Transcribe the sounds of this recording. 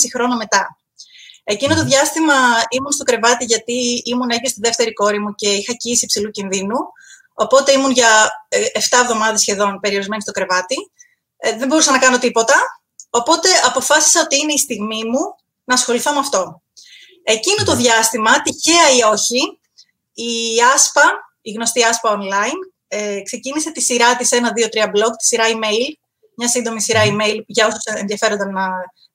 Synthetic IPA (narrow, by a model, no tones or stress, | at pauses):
sixɾo̞nome̞t̪ɐ | e̞cinot̪oðʝɐst̪imɐimunst̪o̞kɾe̞vɐt̪iʝɐt̪iimuneʝest̪iðe̞ft̪e̞ɾiko̞ɾimuce̞ixɐciisipsilucinðinu | o̞̰po̞t̪e̞imunʝɐeft̪ɐevðo̞mɐðɐsçe̞ðo̞npe̞ɾio̞ɾizme̞nist̪o̞kɾe̞vɐt̪i | ðembo̞ɾusɐnɐkɐno̞t̪ipo̞t̪ɐ | o̞po̞t̪e̞ɐpo̞fɐsi̥sɐot̪iine̞ist̪iɣmimu | nɐːsxo̞liθo̞meɐft̪o̞ | e̞cinot̪o̞ðʝɐst̪imɐt̪içeɐio̞çiː | ɐspɐ | iɣno̞st̪iɐspɐo̞nlɐin | ekse̞cinise̞t̪isiɾɐt̪ise̞nɐðio̞t̪ɾiɐblo̞ɡt̪i̥siɾɐime̞il | mɲɐsind̪o̞misiɾɐime̞ilʝɐosu̥senðjɐfe̞ɾond̪ɐnnɐ